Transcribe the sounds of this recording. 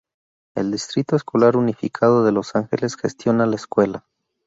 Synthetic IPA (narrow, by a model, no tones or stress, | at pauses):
e̞̰ld̪ist̪ɾit̪oeskolaɾunifikʰaðo̞ðe̞lo̞saŋxe̞̰lesxe̞st̪jo̞nalaeskwe̞la